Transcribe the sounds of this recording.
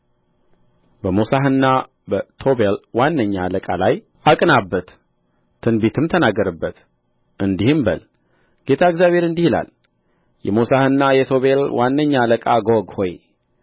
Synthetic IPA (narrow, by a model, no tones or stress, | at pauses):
bəmosaɦɨnːa | bət̪ʰo̞belwanːəɲːa̰ləkʼalaj | akʼnabːət̪ʰː | ɨnbet̪ʰɨmt̪ʰənaɡːəɾəbːət̪ | ʔɨnd̪ihɨmbə̰l | ɡ̥e̞t̪ʰaɨɡzjaβʱe̞ɾɨnd̪ihila̰l | jɛmosahɨnːajɛt̪ʰo̞βelwʔanːəɲːaləkʼaɡoɡho̞j